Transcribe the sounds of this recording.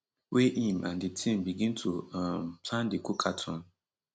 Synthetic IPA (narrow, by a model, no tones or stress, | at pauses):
weʔimʔa̰nditʰĩm̩biɡĩntʰuampʰlãndekukʰatʰɔ̃n